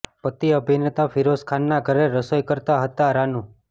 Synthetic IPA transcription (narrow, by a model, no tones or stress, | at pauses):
pət̪iəbʱinet̪afʰiɾoskʰanːaɡʱəɾeɾəsəjkəɾt̪aɦət̪aɾanũ